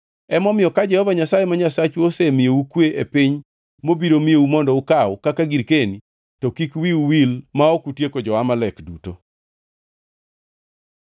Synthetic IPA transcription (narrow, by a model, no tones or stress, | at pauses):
ɛmɔmɪjɔkad͡ʒɛhɔvaɲasajemaɲasat͡ʃosemɪeukweʔepɪɲ | mobiɾomieumɔndɔukawʊkakaɡiɾkeni | tɔkikwiuwilmaokutjekod͡ʒɔwamalɛkduto